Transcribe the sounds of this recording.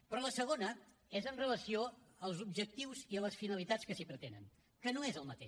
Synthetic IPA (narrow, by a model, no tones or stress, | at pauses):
pɾɔləsəɣ̞onə | ezənrələsioəlˠzubʒək̚t̪iwziələsfinəlit̪at͡skəsipɾət̪enə̰n | kənoezəlˠmət̪ḛʃ